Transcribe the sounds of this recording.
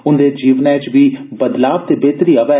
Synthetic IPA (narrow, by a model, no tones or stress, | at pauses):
ʊnd̪eːd͡ʒiːʋnɛ̃ːt͡ʃʋiːbəd̪laːb̚t̪eːbeːt̪ɾiːəʋɛː